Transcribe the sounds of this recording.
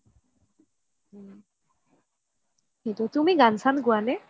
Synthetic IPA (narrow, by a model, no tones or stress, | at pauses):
kitutumiɡansanɡuanɛ